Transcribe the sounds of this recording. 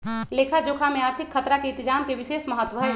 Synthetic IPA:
leːkʰad͡ʒoːkʰamẽaːɾt̪ʰɪkʰːət̪ɾakeɪt̪ɪd͡ʒaːmkeʋɪʃeːsməɦət̪ːwəɦɛ

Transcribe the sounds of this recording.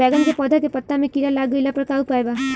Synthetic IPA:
ɛːɡənkepɔːd̪ʱakepɐt̪ːamẽkiɾalaːɡəilapɐɾkaːupaːeba

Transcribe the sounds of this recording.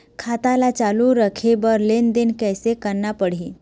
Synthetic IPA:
kʰat̪alat͡ʃaluɾəkʰebəɾlend̪enkɛjsekəɾnapəɽ̤i

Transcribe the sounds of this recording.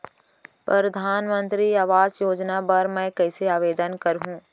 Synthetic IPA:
pɾɐɾɐd̪ʱaːnmə̃nt̪ɾiaːʋaːzjoːd͡ʒnapɐɾmɛ̃ːkɛɪseaːʋeːd̪ənkɐɾɦũː

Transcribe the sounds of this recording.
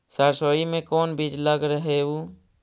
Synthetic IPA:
səɾsoːimẽkoːnbid͡ʒləɡɾəɦeu

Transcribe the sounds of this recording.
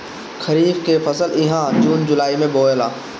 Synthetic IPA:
xɐɾiːbkefɐsəlɪɦãd͡ʒuːnd͡ʒʊlaːimẽboːelaː

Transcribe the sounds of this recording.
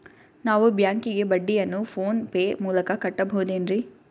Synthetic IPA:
naːʋubjaːŋkiɡe̞bɐɖːijɐnːupʰoːnpeːmuːlɐkɐkɐʈːɐbɐɦud̪eːnɾi

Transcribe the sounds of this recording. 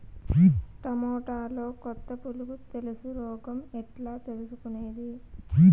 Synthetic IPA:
piʈɐmɔːʈaːlo̞ːkɔt̪ːɐpuluɡut̪e̞lusuɾɔːɡɐmɛʈlaːt̪e̞lusukuneːd̪ipi

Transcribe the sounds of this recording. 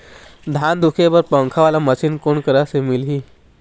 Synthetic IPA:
d̪ʱaːnd̪ʊkʰepɐɾpə̃ŋkʰaʋaːlamɐt͡ʃʰɪnkoːnkəɾasemɪlɦiː

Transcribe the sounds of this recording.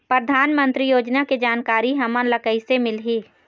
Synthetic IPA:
pɾəd̪ʱaːnmə̃nt̪ɾijoːd͡ʒnaked͡ʒaːnkaːɾiɦɐmənləkəisemɪlɦiː

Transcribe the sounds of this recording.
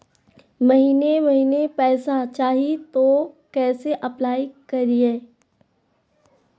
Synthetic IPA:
mɐɦiːnemɐɦiːnepɛːsat͡ʃaːɦit̪okɛːseʔɐplaːikɐɾieː

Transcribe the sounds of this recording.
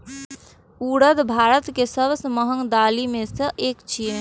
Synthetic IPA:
uːɽəd̪bʱaːɾət̪kesəbsəməɦəŋd̪aːlimẽsəʔeːkt͡ʃiə

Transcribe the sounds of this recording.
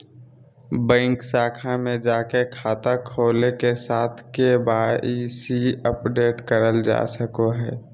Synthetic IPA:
bɛ̃ːŋksaːkʰamẽd͡ʒaːkekʰaːt̪akʰoːlekesaːt̪ʰkebaːiːsiəpɖeːʈkəɾəld͡ʒa̰ːsəkoɦɛː

